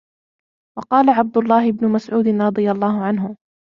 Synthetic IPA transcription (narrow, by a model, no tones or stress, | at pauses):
wɑqɑːlaʕab̚d̪ʊlˤːɑːhɪbnʊmasʕuːd̪ɪnɾˤɑd̪ˤɨjalˤːɑːɦʊʕanɦʊ